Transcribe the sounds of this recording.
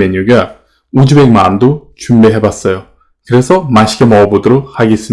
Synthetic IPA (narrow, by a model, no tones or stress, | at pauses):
eɲuɡa | ud͡ʑube̞k̚mandot͡ɕumbeɦe̞bas͈ʌjo | kɯɾe̞sʰʌmaɕʰiɡemʌobodoɾok̚haɡes͈ɯm